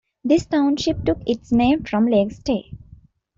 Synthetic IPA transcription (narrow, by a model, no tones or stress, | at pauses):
d̪ɪsʈãʊ̃nʃɪp̚ʈʊkɪʈsnẽːmfɾɔ̃mleːɡsʈeː